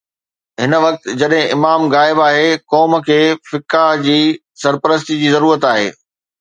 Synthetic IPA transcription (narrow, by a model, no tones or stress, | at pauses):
ɦɪnʋɐk̚t̪d͡ʑɐɗɦɪ̃ʔɪmaːmɣaːɪbaːɦekɔːmkʰeːfɪkad͡ʑiː | sɐɾpəɾəs̬t̪id͡ʑiːzɐɾuːɾət̪aːɦḛː